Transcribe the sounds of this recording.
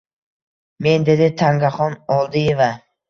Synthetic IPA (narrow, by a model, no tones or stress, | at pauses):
me̞nd̪e̞d̪ɪt̪ʰaŋɡaχɒnɒlˠd̪ɪjeva